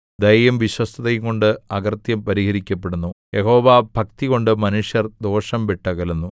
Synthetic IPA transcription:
d̪ɐjjɐmʋiɕwɐst̪ʰɐðɐjuŋko̞ɳɖɨɐɡɐrt̪jɐmpɐɾihɐɾikʲːɐp̬ːe̞ɽunːujeɦo̞ːʋabʱɐk̚t̪iɣo̞ɳɖɨmɐnuʂjɐrd̪o̞ːʂɐmʋeʈːɐɣɐlunːu

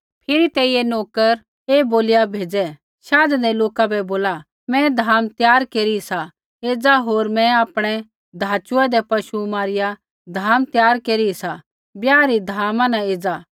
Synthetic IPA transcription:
pʰɪɾit̪ɛːiɛnoːkəɾ | eːboːlɪjabʱeːd͡zɛ | ʃaːdd̪ɛloːkabɛboːla | mɛ̃d̪ʱaːmt̪jaːɾkeːɾiisa | eːd͡zaɦoːɾmɛ̃aːpɽ̃ɛ | d̪ʱaːt͡ʃʊad̪ɛpɐʃumaːɾɪja | d̪ʱaːmt̪jaːɾkeːɾisa | bjaːɾid̪ʱaːmãnãeːd͡za

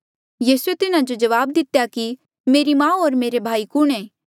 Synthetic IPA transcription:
jiːsuet̪ɪnãd͡ʒod͡ʒɐʋaːbd̪ɪt̪jaki | meːɾimãːoːɾmeːɾebʱaːikʊɽ̃ẽː

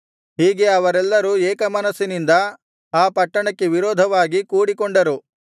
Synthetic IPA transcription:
ɦiːɡe̞ɐʋɐɾɛlːɐɾuɛːkɐmɐnɐsːinind̪ɐ | aːpɐʈːɐɳɐkːe̞ʋiɾɔːd̪ʱɐʋaːɡikuːɽikoɳɖɐɾu

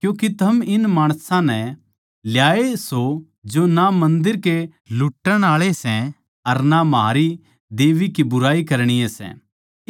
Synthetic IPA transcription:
kjũːkit̪ʰɐmɪnmaːɽ̃sãnɛ | ljaːeso | d͡ʒonamɐ̃nd̪ɪɾke | lʊʈːəɽ̃aːɭesɛ̃ | ɐɾnamɦa̰ːɾi | d̪eːʋikibʊɾaːikɐɾɽ̃ijesɛ̰̃

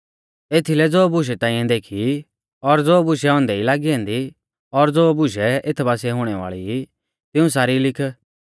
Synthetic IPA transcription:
eːt̪ʰilɛd͡zoːbʊʃ̬ɛt̪ãːĩːjãd̪eːkʰi | ɔɾd͡zoːbʊʃɛɔ̃ːnd̪ɛilaːɡiɦɛ̃ːnd̪i | ɔɾd͡zoːbʊʃɛet̪ʰbaːsɛɦʊɽ̃ɛʋa̰ːɭii | t̪ɪũs̬aːɾilɪkʰ

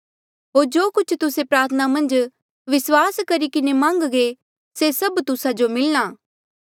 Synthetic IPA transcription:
ɦoːɾd͡ʒoːkʊt͡ʃʰt̪ʊsepɾaːɾt̪ʰənamɐ̃nd͡ʒ | ʋɪswaːskɐɾikɪnemãːŋɡɡe | sesɐbt̪ʊsad͡ʒomɪlnaː

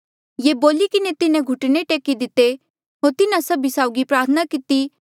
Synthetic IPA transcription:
jeːboːlikɪnet̪ɪnẽɡʱʊʈneʈeːkid̪ɪt̪e | ɦoːɾt̪ɪnãsɐbʱisaːʊɡipɾaːɾt̪ʰənakɪt̪i

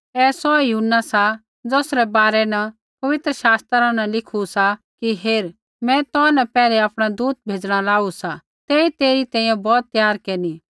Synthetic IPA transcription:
ɛːsɔɛjʊɦʊnːasa | d͡zoːsɾɛbaːɾɛnɐ | pɐʋɪt̪ɾəʃaːst̪ɾãnɛ̃lɪkʰusa | kiɦeːɾ | mɛ̃t̪ɔnɛpɛːleapɽ̃ad̪uːt̪̚bʱeːd͡ʒɽ̃alaːusa | t̪eːit̪eːɾit̪ɛ̃ːĩjɛ̃bɔːt̪ːjaːɾkeːni

